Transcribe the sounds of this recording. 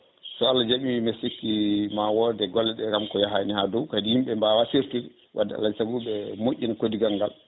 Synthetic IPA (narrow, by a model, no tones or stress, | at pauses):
sɔalːad͡ʒaɓiimesikːimawɔdɛɡɔlːɛɗɛkamkɔjaɦanihadɔwkadihimɓɛmbawasiɾtiɾ | wʔadːɛa̰lːaisaɡuɓɛmoʔʲːinakodiɡaŋɡa̰l